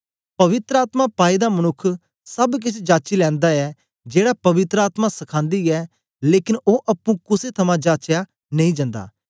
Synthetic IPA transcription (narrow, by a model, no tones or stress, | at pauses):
pɐʋɪt̪ɾəaːt̪mapaːid̪amɐnʊkʰː | sɐbk̬ɪt͡ʃʰd͡ʒaːt͡ʃilɛ̃ːnd̪aɛ | d͡ʒeːɽapɐʋɪt̪ɾəaːt̪masɐkʰãːnd̪iɛː | leːkɪnoːʔɐpːũkʊset̪ʰɐmãd͡ʒaːt͡ʃja | nɐĩd͡ʒãːnd̪a̰ː